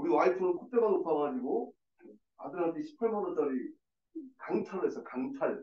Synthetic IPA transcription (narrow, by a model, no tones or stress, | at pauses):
uɾiwaitʰɯŋɯnkʰut͈emanus͈ʌŋɦad͡ʑiɡo | a̰dɯɾɦandiɕʰi̥pʰaɭpʰʌmʌt͈ʌɾi | kaŋt͡ɕʰaɾesʰʌkaŋt͡ɕʰaɭ